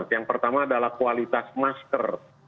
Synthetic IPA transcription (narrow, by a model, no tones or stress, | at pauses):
tjaŋpərt̪amaːdalahkualit̪asmaskər